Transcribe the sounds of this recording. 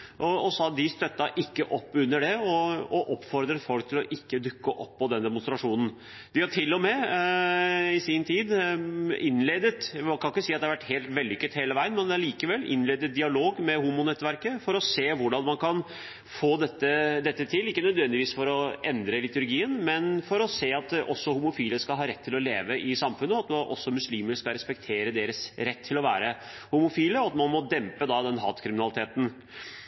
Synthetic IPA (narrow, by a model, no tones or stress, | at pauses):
ʔɔɔsɔɑt̪̚d̪ɪst̪œt̪ːɑʔɪkːəʔɔpːʉnːəɖɛɔɔʔɔpːfɔɾd̪ɾət̪fɔlk̚t̪ʰɪlɔʔɪkːəd̪ʉkːəʔɔpːɔd̪ɛnd̪ɛmʊnst̪ɾɑʂuːnn̩ | d̪ɪhɑʈʰɪlːɔmɛ | ɪsɪnt̪ʰiːd̪ | ɪnleːd̪ət̪mɑnkʰɑnɪkːəsiːɑt̪d̪æɑɾʋæʈːheːlt̪ʋɛld̪ɪʏkːət̪heːləʋæɪənmɛnd̪ɛæɭiːkəʋɛlːʔɪ̰nleːd̪ət̪̚d̪ɪɑloːɡmɛhuːmʊnɛt̪ːʋæɾkəfɔɾɔseːʋʊɖɑnmɑnkʰɑn | foːd̪ɛt̪ːəd̪ɛt̪ːət̪ʰɪlɪkːənœd̪ʋɛnd̪ɪʋiːsfɔɾɔʔɛnd̪ɾəlɪt̪ʉɾɡiːənmɛnfɔɾɔseːɑt̪ɔsːɔhʊmʊfiːləskɑlɦɑːɾɛt̪ʰːɪlɔlḛːʋəʔɪsɑmfʉnːəɑt̪ʔɔ̰sːɔmʉsliːməɾskɑɾɛspɛkt̪ʰeːɾəd̪eːɾəsɾɛt̪ʰːɪlɔʋæːɾə | hʊmʊfiːləɔɑt̪mɑnmɔd̪ɛmpəd̪ɑd̪ɛnɦɑ̰ːt̪kʰɾɪmɪnɑlɪt̪ʰeːt̪n̩